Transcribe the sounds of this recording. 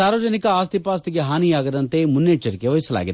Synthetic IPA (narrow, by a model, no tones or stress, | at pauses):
aːɾʋɐd͡ʒɐnikɐaːst̪ipaːst̪iɡeɦaːnijaːɡɐd̪ɐnt̪emunːeːt͡ʃːɐɾikeʋɐjisɐla̰ːɡid̪e